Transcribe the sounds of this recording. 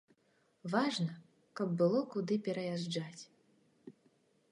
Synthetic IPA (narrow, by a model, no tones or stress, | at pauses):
vaʐnɐ | kɐbːɨlˠɔkud̪ɨpʲɛɾɐjaʐd͡ʐat͡sʲ